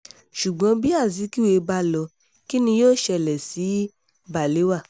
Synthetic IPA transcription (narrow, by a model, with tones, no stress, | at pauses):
ʃu˨ɡ͡bɔ̃˧˦bi˦a˦˨zi˨˦ki˦we˧˦ba˧˦lɔ˧ | ki˦nĩ˧joː˦˨ʃɛ˧˨lɛ˨si˨˦ | ba˨le˨˦wa˦˨